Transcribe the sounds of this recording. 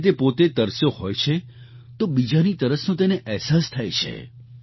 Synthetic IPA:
t̪̬epot̪et̪əɾsjohojt͡ʃʰe | t̪obid͡ʒanit̪əɾəsnõt̪̬eneʔɛɦsast̪ʰajt͡ʃʰḛ

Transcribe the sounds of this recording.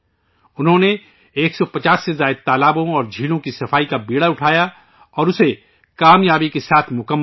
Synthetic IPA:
ʊnɦõne | eːksɔpɐt͡ʃaːsːezaːɪd̪̚t̪aːlaːbõɔːɾd͡ʒʱiːlõkisɐfaːikabiːɽaʊʈʰaːja | ɔːɾʊse | kaːmjaːbikesaːt̪ʰmʊkəmː

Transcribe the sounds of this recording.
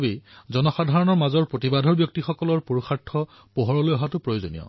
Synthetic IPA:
bezɔnɔxadʱaɹɔnɔɹmazɔɹpɹotibadʱɔɹbjɔk̚tixɔkɔlɔɹpoɹuxatʰːɔ | poɦɔɹɔlojɔɦatʊpɹojozonḭjɔ̰

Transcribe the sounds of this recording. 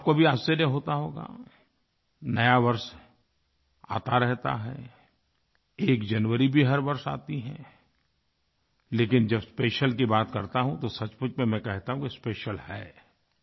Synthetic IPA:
aːp̚kobʱiaːseɾeɦoːt̪aɦoːɡa̰ | nɐjaʋɐɾs | a̰ːt̪aɾɛɦt̪a̰ɦɛ̰ | eːkd͡ʒɐnʋəɾibʱiɦɐɾʋɐɾsa̰ːt̪iɦɛ̃ | leːkɪnd͡ʒɐbspeːʃəlkibaːt̪kɐɾt̪aɦũt̪osɐt͡ʃpʊt͡ʃmẽmɛ̃kɛɦt̪aɦũkispeːʃəlhɛː

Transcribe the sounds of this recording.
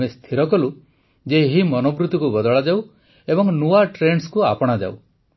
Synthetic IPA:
est̪ʰiɾɔkɔlu | d͡ʒeɦimɔnobɾut̪ɔkubɔd̪ɔɭad͡ʒaw | ebɔŋnuaʈɾenskuapɔɽ̃ad͡ʒa̰uw

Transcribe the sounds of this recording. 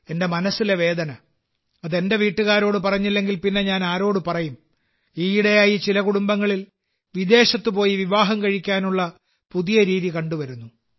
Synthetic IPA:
e̞nde̞mɐnɐsːile̞ʋe̞ːd̪ɐnɐ | ɐðe̞nde̞ʋiːʈːuɣaːɾo̞ːɽɨpɐrɐɲːilːe̞ŋɡilpinːe̞ɲaːnaːɾo̞ːɽupɐrɐjum | iːiɽe̞jaːjit͡ɕilɐkuɽumbɐŋːɐɭil | ʋid̪e̞ːɕɐt̪ːɨpo̞ːjiʋiʋaːɦɐmkɐɻikʲːaːnuɭːɐ | puðijɐɾiːðikɐɳɖuʋɐɾunːu

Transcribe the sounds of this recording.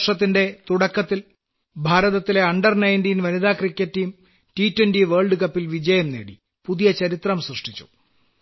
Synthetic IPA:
ʂɐt̪ːinde̞t̪uɽɐkːɐt̪ːil | bʱaːɾɐðɐt̪ːile̞ɐɳɖɐrnɐjndijnʋɐniðaːkrikʲːɐtːijum | tiːtːwendiʋeːɭɖɨkɐpːilʋid͡ʑɐjɐmnḛːɽḭ | puðijɐt͡ɕɐɾit̪rɐmsrɨʂʈʰit͡ɕːu̥̰

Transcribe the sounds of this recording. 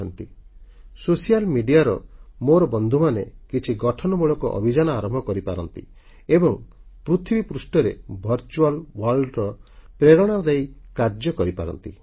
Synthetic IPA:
ɔnt̪i | sosijalmiɖijaɾɔ̰moɾɔbɔnd̪ʱumanekit͡ʃʰiɡɔʈʰɔnɔmuɭɔkɔʔɔ̰bʱid͡ʒanɔaɾɔmbʱɔkɔɾipaɾɔnt̪ḭ | ebɔŋpɾut̪ʰibipɾusʈɔɾḛbʱɔɾt͡ʃualwɔlɖɾɔpɾeɾɔɽ̃ad̪ejkaɾd͡ʒjɔkɔɾipa̰ɾɔ̰nt̪i

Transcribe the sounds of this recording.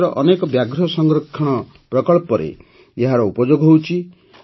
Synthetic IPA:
ɾɔʔɔnekɔbjaɡɾɔsɔŋɡɾɔkʰːɔɽ̃ɔ | pɾɔkɔɭpɔɾḛ | eɦaɾɔupɔd͡ʒoɡɦowt͡ʃʰi

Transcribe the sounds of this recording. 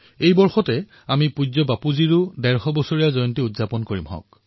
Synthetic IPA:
ejbɔɹxɔtɛ | amipud͡ʒɔbapuziɹʊdɛɹxɔbɔsoɹijazɔjɔntiudzapɔnkoɹimɦɔ̰̃k̚

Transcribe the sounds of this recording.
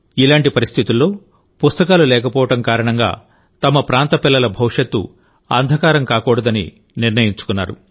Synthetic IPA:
ilaːɳʈipɐɾist̪ʰit̪ulːo̞ː | pust̪ɐkaːlulɛːkɐpɔːʋɐʈɐmkaːɾɐɳɐŋɡa̰ː | t̪ɐmɐpɾaːnt̪ɐpilːɐlɐbʱɐwʂɐt̪ːṵ | ɐ̰nd̪ʱɐkaːɾɐmkaːkɔːɽɐd̪ɐnḭ | niɾnɐjiɲt͡ʃu̥kunːa̰ːɾṵ

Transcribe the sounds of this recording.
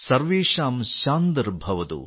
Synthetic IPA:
sɐɾʋeːʂaːmʃaːnd̪ɾbʱɐʋɐt̪ṵ

